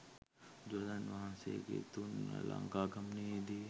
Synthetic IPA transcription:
d͡ʒolanʋɐɦãːsḛkḛt̪unlã̰ŋɡaːɡɐmned̪iː

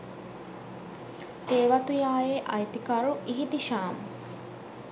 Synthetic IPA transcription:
t̪eːʋat̪ujaːjeʔɐjt̪ikɐɾuʔiɦit̪iʃaːm

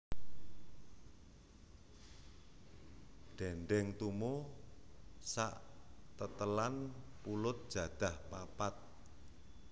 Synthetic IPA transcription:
ɖ̥ɛɳɖɛŋt̪umo | sa̰ʔt̪ət̪əlanpulʊt̪̚d̥ʒ̥ä̤d̪̥a̤hpapat̪̚

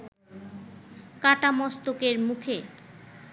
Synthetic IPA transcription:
kaʈamɔst̪okeɾmukʰe

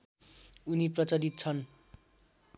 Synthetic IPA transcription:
uniprʌt͡sʌɾit̪t͡sʰʌn

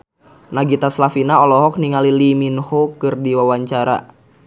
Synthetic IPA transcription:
naɡit̪aslafinaɔlɔɦɔk̚niŋaliliminhokɨrdiwawaɲt͡ʃaɾa̰

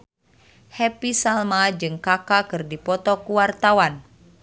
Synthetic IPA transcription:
hɛpisalmad͡ʒɨŋkakakɨrdipɔt̪ɔkuwart̪awan

